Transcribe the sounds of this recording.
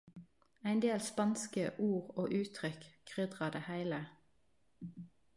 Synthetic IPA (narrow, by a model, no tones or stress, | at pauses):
æɪnd̪eːlspɑnskəʔuːʁo̰ːʔʉːt̪ʰʁʏkkʰʁʏd̪ʁɑd̪eːhæɪlə